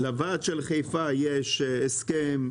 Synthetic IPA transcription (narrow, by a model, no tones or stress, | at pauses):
lavaːt̪ʃelχejfajeʃeskem